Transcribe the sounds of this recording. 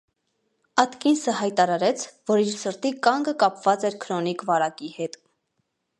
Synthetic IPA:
ɑt̪kinsəhɑjt̪ɑɾɑɾɛt͡sʰvɔɾiɾsəɾt̪ikɑŋɡəkɑpv̥ɑt͡sɛɾkʰɾɔnikvɑɾɑkihɛt̪

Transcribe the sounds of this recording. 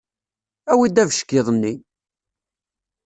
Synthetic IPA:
æwid̪ævʃə̥kːiðˤənːi

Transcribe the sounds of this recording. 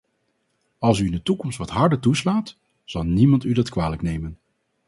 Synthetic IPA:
ɑlˠs̬yɪndətukɔmstʋɑtɦɑɹdətuslaːt | z̥ɑlˠnimɑntydɑtkʋaːləknejmən

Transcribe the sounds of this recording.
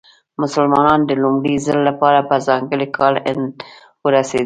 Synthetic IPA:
mʊsəlmɑnɑnd̪əlumɽizəlːapɑɾapəzɑŋɡəlikʰɑlɪnd̪ | wəɾasḛd̪

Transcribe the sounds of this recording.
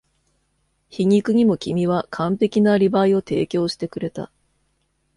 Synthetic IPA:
çiɲ̟ikɯ̟ɲ̟imo̞kʲimʲiβakʰãmpe̞kʲinaɾʲibaio̞t̪e̞ːkʲo̞ːɕi̥t̪e̞kɯ̟ɾe̞t̪a̰

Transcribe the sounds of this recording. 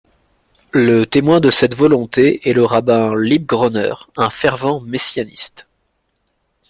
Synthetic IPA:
lət̪emwɛ̃d̪əsɛt̪vɔlɔ̃t̪eɛləʁabɛ̃lib̚ɡʁɔnœ̰ʁɛ̃fɛʁvɑ̃mesjanḭst̪

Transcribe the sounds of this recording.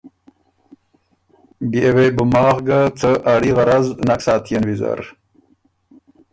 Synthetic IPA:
biewebumaːʁɡat͡səʔaɽiʁɐɾaznaksaːt̪ʰijɐnwiza̰ɾ

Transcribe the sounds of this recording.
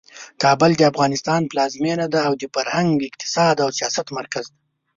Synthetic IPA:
kɑbəld̪əafɣɑnɪst̪ɑnplɑzmenad̪aːwd̪əfaɾhaŋɡɪqt̪ɪ̥sɑd̪awsijɑsat̪maɾkazd̪a

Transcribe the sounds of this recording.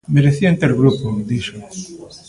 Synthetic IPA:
meɾeθiaent̪eɾɣɾupod̪iʃo

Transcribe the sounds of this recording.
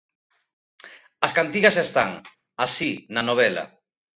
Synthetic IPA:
ɐskant̪iɣɐsest̪a̰ŋ | asinanoβ̞ɛla̰

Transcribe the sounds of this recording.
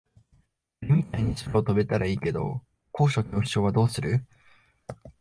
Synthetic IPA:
ɾʲimʲit̪aiɲ̟isɨɾoot̪o̞be̞t̪aɾaiːke̞d̪o̞̰ | ko̞ːɕo̞kʲo̞̥ːɕo̞ːβad̪o̞ːsɨɾɯ̟

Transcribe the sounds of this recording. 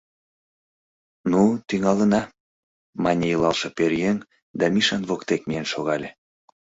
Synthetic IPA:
nut̪yŋɑlə̆nɑ | mɑnʲejɤlɑlʃɤ̆perjen | d̪ɑmiʃɑnβokt̪ek̚mijenʃoɣɑlʲe

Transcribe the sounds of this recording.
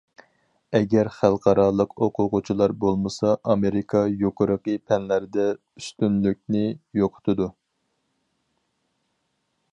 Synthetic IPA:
ɛɡʲɛɾχælˠqʰɑɾɑːlˠəqʰoqʰʊqʊt͡ʃʰilˠɑɾbolˠmɨsɑʔɑmeɾɪkʰɑjoqʰʊɾəqəpʰɛnlæɾd̪ɛ | yst̪ynlyk̚ʲnɪjoqʰʊ̥t̪ʰɨd̪u

